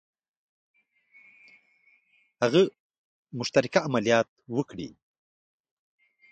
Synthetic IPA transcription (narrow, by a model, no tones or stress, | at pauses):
haɣə | mʊʃt̪aɾɪkaːmalijɑt̪̚wəkɽḭ